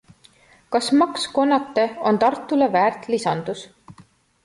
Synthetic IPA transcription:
kɑsmɑksko̞nːɑt̪ːe̞o̞nt̪ɑrt̪ːˑulevæːrt̪lisɑnd̪us

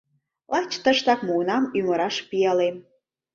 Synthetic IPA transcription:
lɑt͡ɕt̪əʃt̪ɑkmunɑmyməɾɑʃpijɑlem

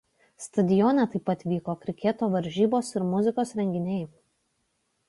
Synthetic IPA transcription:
st̪ɐd̪ʲɪjɔnʲɛt̪ɐɪpːɐt̪ʲʋʲiːkoːkɾʲɪkʲɛt̪oːʋɐɾʲʒʲiːboːsɪɾmʊzʲɪkoːsɾʲɛŋʲɡʲɪnʲɛɪ

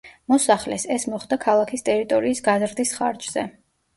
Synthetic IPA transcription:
mɔsaχlɛ̰sɛsmɔχd̪akʰalˠakʰist̪ʼɛɾit̪ʼɔɾiːsɡazɾd̪isχa̰ɾd͡ʒz̥ɛ

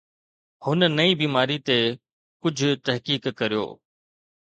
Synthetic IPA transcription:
hʊnnɐibiːmaːɾit̪e | kʊd͡ʑʱʊt̪ɐɦkiːkkɐɾijo̰ː

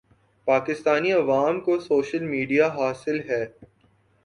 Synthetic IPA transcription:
paːkɪst̪aːniɐʋaːmkosoːʃəlmiːɖijaɦaːsɪlɦɛː

